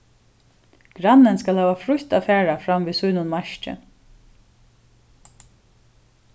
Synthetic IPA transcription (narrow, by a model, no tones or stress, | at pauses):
ɡ̥ɾanːɪnskalhæːʋafɾʊçt̪afæːɹafɾamviːsuːnʊnmaʃt͡ʃɪ̰